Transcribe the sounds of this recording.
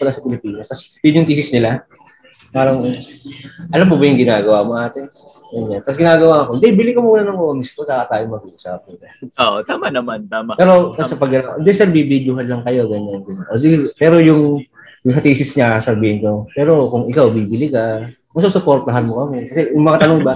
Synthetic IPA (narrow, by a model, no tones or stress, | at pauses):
pɐlasɐpɪlɪpiːnɐst̪ɐsbɪd̪jʊŋt̪iːsɪsnɪla | paːɾɐŋ | ʔɐlamːobɐjʊŋɡɪnaːɡɐwaːmoʔaːt̪ɛ | ɡɐɲːant̪ɐsɡɪnaːɡɐwaɐkond̪ɛbɪlɪkɐmouːnanɐŋoːnɪskod̪aːkɐt̪aːjoŋmɐɡuʔsa̰ːp̚ɐnɪlɐoʔt̪aːmanɐmant̪aːmapɛːɾo̞t̪ɐsɐpɐɡɐnaʔɪnd̪ɛsɛɾbibid̪jʊɦɐnlɐŋkɐjo̞ɡɐɲanɡɐnaʔodipɛːɾo̞jʊŋ | jʊŋsɐt̪iːsɪsɲasɐbiːhɪnko̞pɛːɾo̞kʊŋɪkawbiːbɪlɪka | mɐsosʊpo̞ɾt̪ɐɦɐnmokɐmɛkɐsɛjʊŋmɐŋat̪ɐnoŋbɐ